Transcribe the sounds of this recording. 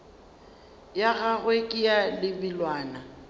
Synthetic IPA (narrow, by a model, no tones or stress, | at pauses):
jaɣaɣwekʼɪjalɪbilwaːna